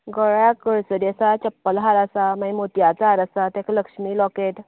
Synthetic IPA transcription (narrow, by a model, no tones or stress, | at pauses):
ɡəɭjakəɭsəd̪asat͡ɕəpːəlɦaɾasamaimot̪jat͡sɦaɾasat̪ɛkləkʂmiːlɔkeʈ